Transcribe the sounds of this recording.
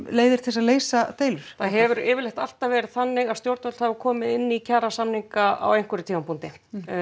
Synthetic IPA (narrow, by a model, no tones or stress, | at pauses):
leːjðɪɾ̥t̪ʰɪlsaðleːjsat̪eːjlʏɾ̥θaðɦɛvʏɾɪːvɪɾlejxt̪al̥t̪avɛːɾɪð̥θanːɪɣaðst̪jowɾt̪œt̪lhavʏɾkʰɔːmɪðɪnːicʰaːɾasamniŋkaa̰wejŋ̥kvʏɾɪt̪ʰiːmampʰunt̪ɪ